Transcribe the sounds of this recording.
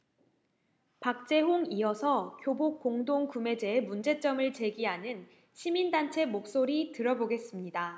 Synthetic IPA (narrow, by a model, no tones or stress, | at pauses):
pak̚t͡ɕ͈e̞ɦoŋiʌsʰʌkjobok͈̚oŋdoŋkume̞d͡ʑe̞ːmund͡ʑe̞t͡ɕ͈ʌmɯɭt͡ɕe̞ɡiɦanɯn | ɕʰimindant͡ɕʰe̞mok̚s͈oɾitɯɾʌboɡe̞s͈ɯmɲida